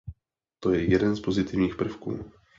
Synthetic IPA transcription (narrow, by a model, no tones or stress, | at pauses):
t̪o̞jɛjɛdɛnspo̞zɪt̪ɪvɲiːxpr̩fkṵː